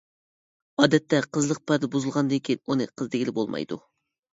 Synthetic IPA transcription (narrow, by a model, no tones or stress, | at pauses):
ɑːd̪ɛt̪ːɛqʰəzlˠəq̚pʰæɾd̪ɛbuzɨlˠʁɑnd̪ɨŋkʲʰinunɨ̰qʰəzd̪ɪɡʲilɪbolˠmɑ̰jd̪ṵ